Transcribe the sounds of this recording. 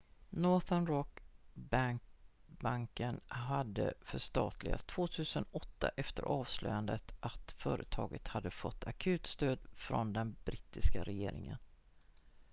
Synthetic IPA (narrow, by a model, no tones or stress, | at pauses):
nɔt̪anɾɔkbaŋkbaŋkənɦad̪ːəfœʂt̪ɑːt̪ʰlɪɡast̪ʰv̥oːt̪ʰʉ̟ːsənɔt̪ːaʔɛft̪əɾʔɑːvslœjand̪ət̪ʔat̪fœːɾət̪ʰɑːɡət̪had̪ːəfɔt̪ːakʰʉ̟ːt̪st̪øːd̪fɾɔnd̪ɛnbɾɪt̪ːɪskaɾɛjeːɾɪŋə̰n